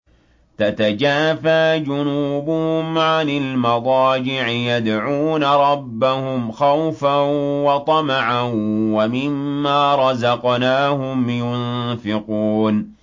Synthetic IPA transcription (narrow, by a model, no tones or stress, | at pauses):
t̪at̪ad͡ʒaːfaːd͡ʒʊnuːbʊhʊmʕanɪlmɑd̪ˤɑːd͡ʒɪʕɪjad̪ʕuːnaɾˤɑbːahʊmxawfawɑt̪ˤɑmaʕawamɪmːaːɾˤɑzɑqnaːhʊmjʊnfɪquːn